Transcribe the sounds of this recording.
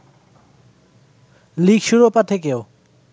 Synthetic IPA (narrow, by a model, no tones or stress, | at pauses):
likʃuɾopat̪ʰekeo